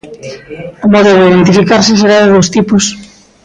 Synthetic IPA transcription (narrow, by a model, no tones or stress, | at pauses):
omɔðoðeiðent̪̬ifikaɾses̬eɾaðeðost̪ipos